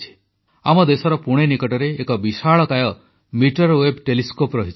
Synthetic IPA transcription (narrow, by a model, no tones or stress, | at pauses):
t͡ʃʰi̥ | amɔd̪esɔɾɔpuɽ̃enikɔʈɔɾeːkɔbisaɭɔkajɔ | miʈɔɾwebʈeliskopɾɔɦit͡ʃʰ